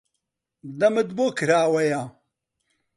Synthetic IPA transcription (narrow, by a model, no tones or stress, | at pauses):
d̪ɐmɨd̪bokʰɾaːwɐja